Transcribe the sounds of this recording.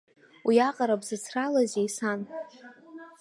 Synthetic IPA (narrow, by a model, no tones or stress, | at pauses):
wiaqʼaɾabzɨt͡sʰralazejsan